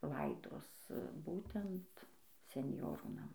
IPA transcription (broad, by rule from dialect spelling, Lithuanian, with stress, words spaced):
ˈlˠɐɪdoːs ˈbuːtʲɛnt sʲɛnʲˈjoːruː nɐˈmɐɪ